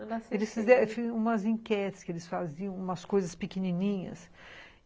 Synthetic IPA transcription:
elɪsfɪzɛfĩũmɐzĩŋkɛt̪ɪ̥skɪelɪsfazijɐ̃w̃ũmɐskojzɐspɪkeninĩɲɐ̰s

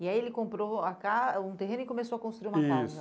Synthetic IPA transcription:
iaielɪkõpɾoakaũt̪eɦẽnʊɪkomesoɐkõst̪ɾuiɾũmikazsɐ

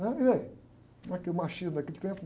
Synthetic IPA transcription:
ɐ̃iðɐi | nɐ̃ɛkemaʃiɾnɐkelʲt̪ẽmp

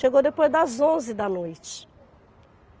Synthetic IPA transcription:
ʃeɡowd̪epojzd̪ɐzõzɪd̪ɐnojt͡ʃɪ̥

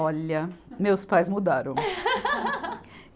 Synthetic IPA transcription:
ɔlɐmewspajzmud̪aɾɐ̃w

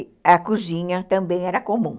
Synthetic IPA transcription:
ɐkuzĩɲɐt̪ɐ̃mbẽj̃ɛɾɐkomũ

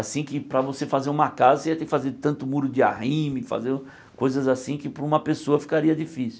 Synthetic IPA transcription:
asĩkɪpɾɐvosefazeɾũmɐkazɐseɛt̪ẽkɪfazeɾt̪ɐ̃nt̪ʊmuɾʊd͡ʒɪa̰hĩmɪfa̰zeɾ | kojzɐzasĩkɪpɾũmɐpesoɐfi̥kaɾiɐd͡ʒifisʊ

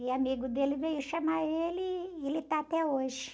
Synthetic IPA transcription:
ɪamiɡʊd̪elɪvejʊʃamaelɪelɪt̪aːt̪ɛoʒɪ

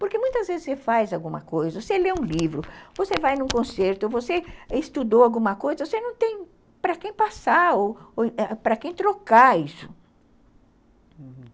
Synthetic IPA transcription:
poɾkemũj̃t̪ɐzvezɪsefajzawɡũmɐ̰kojzɐvoseleũlivɾʊvosevajnũkõseɾt̪ʊvoseɪst̪ud̪owawɡũmɐkojzɐvosenɐ̃w̃t̪ẽj̃ | pɾɐkẽj̃pasaoɛpɾɐkẽj̃t̪ɾokaisʊ̥

